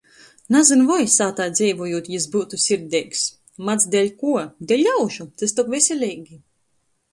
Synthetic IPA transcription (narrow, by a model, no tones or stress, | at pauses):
nazɨnvɔjsaːt̪aːjd̪zɛjvujuɔt̪jizbuːt̪usʲiɾd̪ʲɛjks | mat̪sd̪ʲɛlʲkuɔd̪ɛlʲːawʃut̪est̪ɔkvʲesʲelʲɛːɡʲi